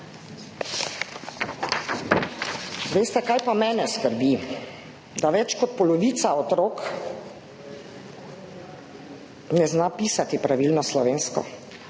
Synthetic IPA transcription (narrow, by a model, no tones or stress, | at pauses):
ʋeːst̪ɛkajpamɛːnɛskəɾbi | d̪aʋɛt͡ʃkɔt̪̚pɔlɔʋiːt̪saɔt̪ɾoːk | nɛznapiːsat̪ipɾaʋilnɔslɔʋeːnskɔ̰